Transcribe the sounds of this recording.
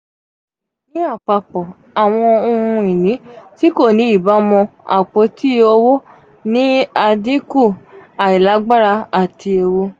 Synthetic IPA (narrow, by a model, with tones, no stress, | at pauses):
nĩ˦a˦˨k͡pa˧˨k͡pɔ˨ | a˨w̃ɔ̃˧o˧ũ˧i˨nĩ˨˦ti˦ko˦˨nĩ˨˦i˦˨ba˨˦mɔ̃˧a̰˨k͡po˨˦ti˦o˧wo˦ | nĩ˦a˧dĩ˦ku˦˨a˨i˨la˨˦ɡ͡ba˦ɾa˧a˨ti˧e˧wo˧